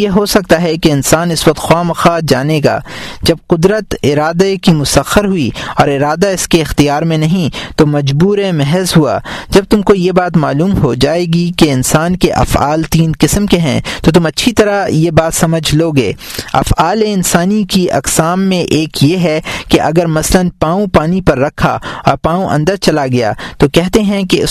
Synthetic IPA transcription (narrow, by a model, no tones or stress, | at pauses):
jeɦosɐk̚t̪aɦɛkeɪnsaːnɪsʋɐk̚t̪xwaːmɐxaːd͡ʒaːneɡa̰ːd͡ʒɐb̚qʊd̪ɾət̪ɪɾaːd̪ekimʊsəxəɾɦʊiɔːɾɪɾaːd̪aɪskeɪxt̪ijaːɾmẽnɐɦĩt̪omɐd͡ʒbuːɾemɛɦəzɦua̰ːd͡ʒɐb̚t̪ʊmkojebaːt̪maːluːmɦod͡ʒaːeːɡikeɪnsaːnkeʔɐ̰fa̰ːlt̪iːnqɪsəmkeɦɛ̰̃ːt̪ot̪̬ʊmɐtːʃʰit̪ɐɾajebaːt̪sɐməd͡ʒʱloɡḛːɐ̰faːleɪnsaːnikiʔɐ̰qsaːmːẽʔeːkjeɦɛkeʔɐɡəɾmɐslənpãːũpaːnipɐɾːɐkʰa̰ɔ̰ːɾpãːũʔɐ̰̃nd̪əɾt͡ʃɐlaɡɐja̰ːt̪okɛɦt̪eɦɛ̃keʊ